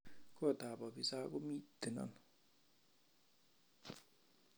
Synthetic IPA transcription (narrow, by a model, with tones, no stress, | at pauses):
kɔ˦˨ta˨bɔ˨bi˨sa˦ko˦mi˦tːe˨na̰˦˨n